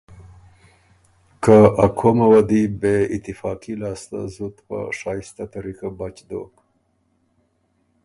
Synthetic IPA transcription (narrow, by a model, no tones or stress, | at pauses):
kaakʰomawad̪ibeɪt̪ɪfɑːqilɑːst̪a̰zut̪pa̰ʂɑjist̪at̪aɾikabat͡ʃd̪o̰k